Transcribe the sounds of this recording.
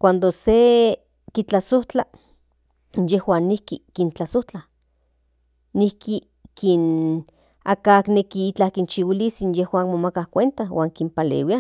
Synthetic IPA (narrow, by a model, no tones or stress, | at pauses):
kʷand̪ose | kit͡ɬasoht͡ɬa | jehwaːnːihkikint͡ɬasoht͡ɬa | nihki | kin | akaknekiit͡ɬahkint͡ʃiwilisinjehwaːnmomakahkʷent̪awʔaːŋkimpalḛwia